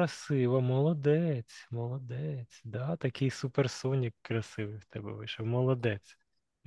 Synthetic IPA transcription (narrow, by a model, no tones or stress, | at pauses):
ɐsɪʋɐmɔlˠɔd̪ɛt͡sʲmɔlˠɔd̪ɛt͡sʲd̪ɑt̪ɐkɪjsupersɔnʲjɐkːɾɐsɪʋɪjwt̪ɛbɛ̰ʋɪ̰ʃɔmɔlˠɔd̪ɛt͡sʲ